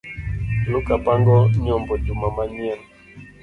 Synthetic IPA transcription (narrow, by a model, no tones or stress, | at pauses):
lukapaŋɡɔɲɔmbɔd͡ʒumamaɲiɛn